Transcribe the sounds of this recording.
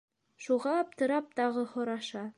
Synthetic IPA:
ʃuʁɑɒp̚t̪ɤ̆ɾɑp̚t̪ɑʁɤhŏɾɑʃɑ

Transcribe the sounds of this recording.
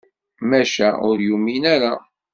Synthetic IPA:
mæʃæʔʊɾjuminæɾa

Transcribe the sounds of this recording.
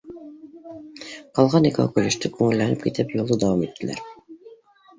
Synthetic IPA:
qɑlˠʁɑnikɑ̰kɵlɘ̆ʃt̪ɘkʉŋɘ̆lːænɘp̚kit̪ɘpjulˠɤd̪æwɑmit̪ʰːɘ̆læ̰ɾ

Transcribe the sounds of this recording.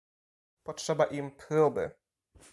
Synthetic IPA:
pɔtʂɛbaʔimpɾubɘ̰

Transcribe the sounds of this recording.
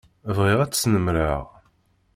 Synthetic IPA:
vʁiʁæt͡sːsnəmɾəʁ

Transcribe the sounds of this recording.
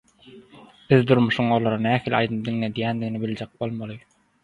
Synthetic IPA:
b̥iðd̪uɾmuʃuɴo̞lˠoɾɑnæːhiːlʲɑ̰jd̪ɯp̚d̪iŋled̪ijænd̪iɡinibilʲd͡ʒek̚bo̞lˠmɑlˠɯ

